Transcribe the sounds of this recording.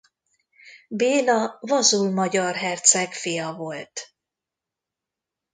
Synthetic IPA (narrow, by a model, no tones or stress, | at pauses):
beːlɒvɒzulmɒɟɒrɦɛrt̪sɛkfijɒvo̞lt̪